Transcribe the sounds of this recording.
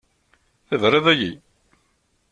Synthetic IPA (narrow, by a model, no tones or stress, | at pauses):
θəðɾˤɪðæji